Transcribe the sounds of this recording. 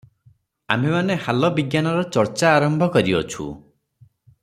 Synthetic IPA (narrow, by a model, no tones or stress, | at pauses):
a̰mbemanehalɔbiɡjanɔɾɔt͡ʃɔɾt͡ʃaːɾɔmbʱɔkɔɾiɔt͡ʃʰṵ